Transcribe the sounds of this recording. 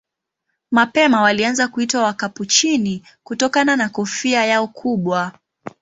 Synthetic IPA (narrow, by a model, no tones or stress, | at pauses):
mapɛmawalianzakuitwawakaput͡ʃini | kutɔkananakɔfiajaɔkʰuɓwa